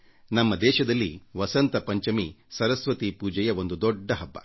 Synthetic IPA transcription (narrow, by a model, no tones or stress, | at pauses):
nɐmːɐd̪ɛːʃɐd̪ɐlːiʋɐsɐnt̪ɐpɐɲt͡ʃɐmisɐɾɐsʋɐt̪ipuːd͡ʒɛjɐʋo̞nd̪ud̪ɔɖːɐɦɐbːɐ̰